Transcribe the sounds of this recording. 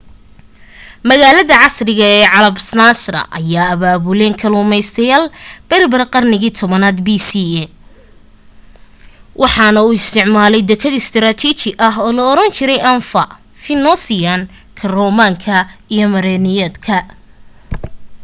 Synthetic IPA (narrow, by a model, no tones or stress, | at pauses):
mɐɣaːlɐðɐʕɑsrɪɣɐɛːʕɑlɐbsnaːsrɐ̰ʔɐ̰jaːɐβaːβʊlɛːŋkʰɐluːmɛjst̪ʰɐjaːlb̥ɛlbɐrqɑrnɪɣiːt̪ʰɔβɐnaːd̪biːsiɛ | wʔɑħɑnɐuːɪst̪ʰɪʕmaːlɛjd̪ɛkʰɐd̪ɪst̪ʰɾaːt̪ʰit͡ʃɪʔɐɦɔːlɐːɾɐnt͡ʃʰɪɾɛjʔɐnfɐ̰ | fɪnɔsɪjan | kʰɐrɔmaːŋkʰɐijɔmɐɾɛːnɪjɛd̪kʰɐ